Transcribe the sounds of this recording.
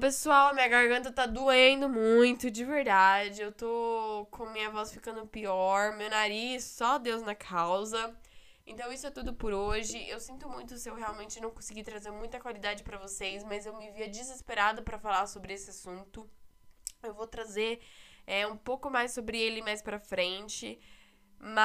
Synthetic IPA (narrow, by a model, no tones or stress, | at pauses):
pesuawɐmĩɲɐɡaɾɡɐ̃nt̪̬ɐt̪ad̪uẽnd̪ʊmũj̃t̪ʊd͡ʒɪveɾd̪ad͡ʒɪewt̪okʰõmĩɲɐvɔsfikɐ̃nd̪ʊpiɔɾmewnaɾissɔd̪ewznɐkʰawzɐ | ẽt̪ɐ̃w̃isʊɛt̪ud̪ʊpʊɾoʒɪʔewsĩnt̪ʊmũj̃t̪ʊsɪewɦealwmẽnt͡ʃɪnɐ̃w̃kõsɪɡit̪ɾazeɾmũj̃t̪ɐkwalid̪ad͡ʒɪpɾɐvosejsmɐzewmɪviɐd͡ʒizespeɾad̪ʊpɾɐfalaɾsobɾɪesɪasũnt̪ʊ | ewvowt̪ɾazeɛũpowkʊmajssobɾɪelɪmajspɾɐfɾẽnt͡ʃɪ | mɐ